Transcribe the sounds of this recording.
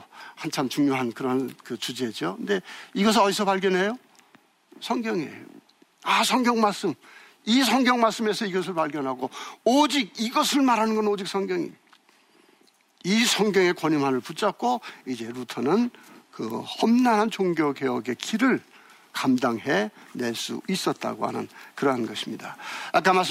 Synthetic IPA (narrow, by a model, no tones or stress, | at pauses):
hant͡ɕʰamt͡ɕuŋɲoɦankɯɾʌnkɯt͡ɕud͡ʑiɦed͡ʑokɯnde̞iɡʌs̬ʰʌisʰʌpaɭɡjʌnɦe̞jo | sʰʌŋɡjʌŋḛjo | asʰʌŋɡjʌŋmaɭs͈ɯm | isʰʌŋɡjʌŋmaɭs͈ɯme̞sʰʌiɡʌs̬ʰɯɭpaɭɡjʌnɦaɡoʌd͡ʑiɡ̚iɡʌsʰɯɭmaɾɦanɯnɡʌnʌd͡ʑik̚s͈ʰʌŋɡjʌŋḭ | isʰʌŋɡjʌŋe̞kwʌɲimɦanɯɭput͡ɕ͈ak̚k͈oid͡ʑe̞ɾutʰʌnɯnkɯ̰hʌmnanɦant͡ɕoŋɡjokeʌɡe̞kiɾɯɭ | kamdaŋɦene̞ɭs͈ṵis͈ʌt̚t͈a̰ɡo̰ha̰nɯ̰nkɯɾʌɦanɡʌɕʰimɲidaak͈amas